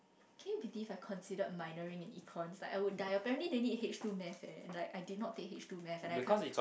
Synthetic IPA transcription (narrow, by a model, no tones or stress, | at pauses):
kʰɛ̃jubilivajkʰɔ̃nsidət̚maɪnəɹĩŋɛ̃nikʰɔ̃nslaɪkaɪwud̚daɪəpɛɹɛ̃ntlidenid̚het͡ʃtumɛfɛ̰̃nɛ̰̃nlaɪkaɪdidnɔt̚tʰːek̚ɦet͡ʃtumɛfɛ̃naɪkɔi